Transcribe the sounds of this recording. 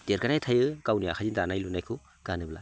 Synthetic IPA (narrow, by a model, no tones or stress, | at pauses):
d̥eɾkanajtʰajɯkawnijakʰazindanajlunajkʰu | ɡ̥anɯbla̰